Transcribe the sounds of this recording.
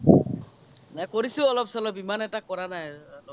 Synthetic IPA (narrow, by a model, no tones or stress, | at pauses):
nakɔɹisʊɔlɔpsɔlɔbimanɛtakɔɹanajɔlɔ